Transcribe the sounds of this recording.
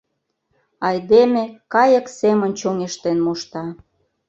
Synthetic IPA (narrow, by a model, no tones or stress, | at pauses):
ɑjd̪emekɑjə̆ksemənt͡ɕoŋeʃt̪enmoʃt̪ɑ